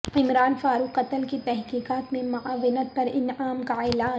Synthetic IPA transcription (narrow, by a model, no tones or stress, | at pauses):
ɪmɾaːnfaːɾuqːɐt̪əlkit̪ɛɦkiːqaːt̪mẽmʊaːʋɪnət̪̚pɐɾɪnaːmkaɛːlaː